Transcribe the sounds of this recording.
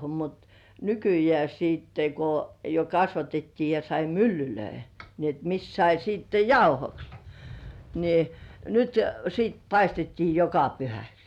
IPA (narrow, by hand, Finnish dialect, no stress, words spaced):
mut nykyjĕæˑ siːtːe ko jo kɑsʋɑtetːiː jɑ sɑi mylːyløi ni et mis sɑi siːtːe jɑuhoks ni nyt siːt pɑistetːiː jokɑ pyhæks